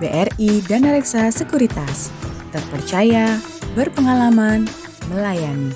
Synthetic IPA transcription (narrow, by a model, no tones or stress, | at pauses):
beʔɛridanəɾɛksasəkuɾit̪ast̪ərpərt͡ʃaja | bərpəŋalaman | məlajani